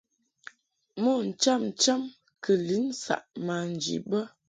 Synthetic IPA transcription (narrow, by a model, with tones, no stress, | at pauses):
mo˦˨n̩˨t͡ʃa˦mn̩˨t͡ʃa˦m | kə˨li˨˦n˦sa̰˨ʔma˨n̩˨d͡ʒḭ˨bə˦